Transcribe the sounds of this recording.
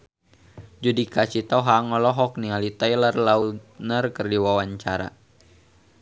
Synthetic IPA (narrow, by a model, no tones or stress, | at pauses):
d͡ʒudikat͡ʃit̪awɦaŋɔlɔɦɔk̚nialit̪ajlərlaut̪̚nərkərdiwawaɲt͡ʃaɾa̰